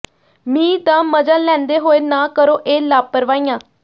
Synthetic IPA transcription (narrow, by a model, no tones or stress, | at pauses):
mĩːt̪ãːməd͡ʒaːlɛ̃ːnd̪eːɦoːeːnaːkəɾoːʔeːlaːpəɾʋaːiːãː